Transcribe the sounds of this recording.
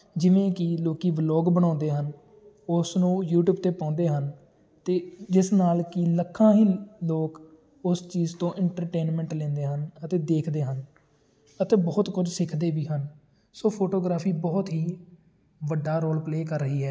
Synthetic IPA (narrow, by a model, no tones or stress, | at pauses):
d͡ʒɪʋẽːkɪloːkiːʋlɔːɡbəɽ̃ãːnd̪eːɦən | ʊsnũːjuːʈjuːb̚t̪eːpãːnd̪eːɦən | t̪eːd͡ʒɪsnaːlkɪləkʰːãːɦiːloːk | ʊst͡ʃiːzt̪õːʔɪɳʈəɾʈeːnmɛ̃ːɳʈlɛ̃ːnd̪eːɦənət̪eːd̪eːkʰd̪eːɦən | ət̪eːbɔːt̪kʊd͡ʒsɪkʰd̪eːbiːɦən | soːpʰoːʈoːɡɾaːpʰiːbɔːt̪ɦiː | ʋəɖːaːɾoːlpleːkəɾːəɦiːɦɛː